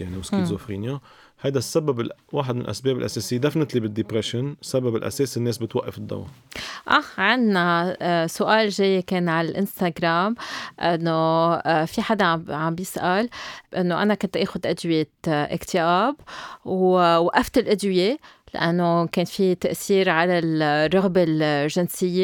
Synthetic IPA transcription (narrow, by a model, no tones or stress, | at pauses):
jaʕniwskizʊfɾiːnja | hajd̪asːababɪlwaːħɪd̪mɪn̰l̰ʔa̰sbeːbɪlʔaseːsɪjːed̪afnɪt̪libɪd̪ːɪpɾeʃɪnsababɪlʔa̰seːsinːeːsbɪt̪waʔːa̰fɪd̪ːa̰w̰ʔaʕɪnnasʊʔaːlʒejːekeːnʕalalʔɪnst̪aɡɾaːmʔɪnːofiħad̪aʕʕambjɪsʔalʔɪnːoʔanakʊnt̪ʔeːxʊd̪ʔad̪wɪjeʔɪ̰kt̪ʰɪʔaːbwwaʔːaft̪ɪlʔad̪wɪjela̰ʔanːokeːnfit̪aʔθiːɾʕalalrˤːʊɣbalʒɪnsɪjːe